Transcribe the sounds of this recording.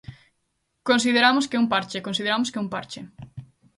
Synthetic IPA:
kons̬iðeɾamoskeumpaɾt͡ʃekonsiðeɾamʊskɪumpaɾt͡ʃɪ

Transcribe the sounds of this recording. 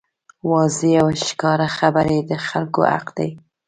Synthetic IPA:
wɑzeawʃkɑɾaxabaɾed̪əxalko̰a̰qd̪a̰j

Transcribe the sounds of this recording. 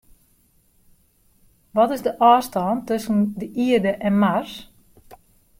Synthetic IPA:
ʋɔtɪzdəʔɔːstɔːntøsəndəʔiərdəʔɛnmars

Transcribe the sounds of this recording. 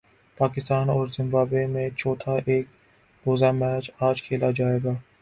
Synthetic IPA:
paːkɪst̪aːnɔːɾzɪ̃mbaːbemẽt͡ʃʰɔːt̪ʰaʔeːk̚ | boːzamɛːt͡ʃaːd͡ʒkʰeːlad͡ʒaːeːɡaː

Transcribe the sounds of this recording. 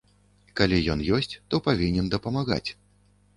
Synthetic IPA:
kalʲijɔnjɔsʲt͡sʲt̪ɔpavʲinʲɛnd̪ɐpɐmaɣa̰t͡sʲ

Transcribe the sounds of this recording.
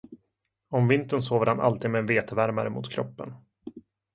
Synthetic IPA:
ɔmvɪnt̪ənsoːvəɾhanʔa̰lt̪iːd̪mɛɛnveːt̪ʰəvæɾmaɾəmʊ̰t̪kʰɾɔpːən

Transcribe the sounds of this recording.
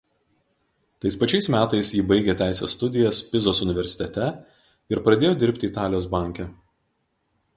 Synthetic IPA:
t̪ɐɪspɐt͡ʃʲɛɪsmʲæːt̪ɐɪsjiːbɐɪɡʲeːt̪ʲæˑɪsʲɛ̰sːt̪ʊd̪ʲɪjɛspʲɪzoːsʊnʲɪʋʲɛɾʲsʲɪ̥t̪ʲɛt̪ʲɛ | ɪɾpɾɐd̪ʲeːjoːd̪ʲɪɾʲˑpʲt̪ʲɪiːt̪ɑːlʲɪjoːsbɑˑŋʲkʲɛ

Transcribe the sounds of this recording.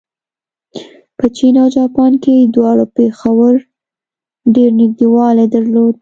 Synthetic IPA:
pət͡ʃinawd͡ʒɑpɑnked̪wɑɽopexawəɾ | ɖeɾnɪɡd̪iwɑled̪aɾlod̪

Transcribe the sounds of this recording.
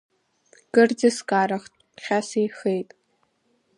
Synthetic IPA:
ɡ̥ɨrd͡zɨskʼaːɾɐχtʼpχʲasijxejtʼ

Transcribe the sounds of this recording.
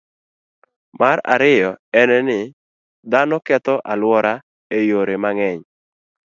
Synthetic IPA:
maɾa̰ɾɪjɔɛnɛnɪ | d̪anɔkɛt̪ɔʔalwɔɾa | ejoɾemaŋɛɲ

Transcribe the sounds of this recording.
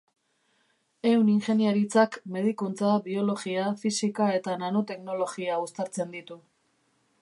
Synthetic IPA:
e̞wniŋxe̞niaɾit͡sakme̞ð̞ikunt͡sabio̞lo̞ɣiafisikae̞t̪ananot̪e̞kno̞lo̞ɣiaust̪aɾt͡se̞nd̪it̪u

